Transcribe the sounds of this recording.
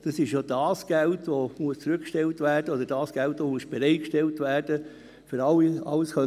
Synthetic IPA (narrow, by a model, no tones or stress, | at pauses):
d̥ɑsɪʃjod̥ɑːsɡ̥æltʋomuəst͡sɾʏkʃtɛltʋæːrd̥əod̪əɾd̥ɑːsɡ̥æltʋomuəsb̥ɛɾɛɪtkʃtɛltʋæːrd̥ə | fʏɾɑliɑ̰lsχœ